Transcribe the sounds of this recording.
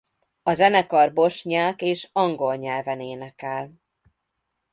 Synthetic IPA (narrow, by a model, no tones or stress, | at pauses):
ɒzɛnɛkɒrbo̞ʃɲaːkeːʃɒŋɡo̞lɲɛlvɛneːnɛkɛl